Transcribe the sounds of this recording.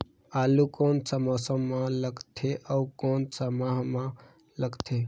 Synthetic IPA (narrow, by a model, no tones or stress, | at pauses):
aːlukoːnsəməsə̃mãləɡt̪ʰeʔəukoːnsəmaɦmã | ləɡt̪ʰe